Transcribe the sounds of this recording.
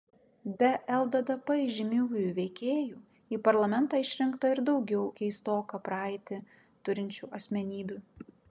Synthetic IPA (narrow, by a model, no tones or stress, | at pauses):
bʲɛʔɛlˠd̪ɐd̪ɐpɐɪʒʲɪmʲɪʊjuːʋʲɛɪkʲeːjuː | iːpɐɾlˠɐmʲɛnt̪ɑːɪʃʲɾʲɪŋkt̪ɐɪɾd̪ɒʊɡʲɛʊkʲɛɪst̪oːkɑpɾɪt̪ʲɪ | t̪ʊɾʲɪnʲt͡ʃʲuːʔɐsʲmʲɛnʲiːbʲuː